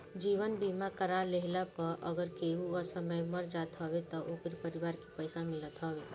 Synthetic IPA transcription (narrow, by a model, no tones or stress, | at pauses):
d͡ʒiːʋənbiːmakəɾaleɦlapəɾʔəɡəɾkeːuɔɾsəməjmɐɾd͡ʒaːt̪ɦɔːʋet̪ɔʔoːkɾipɐɾɪʋaːɾki̥pəɪsamɪlət̪ɦɔːʋeː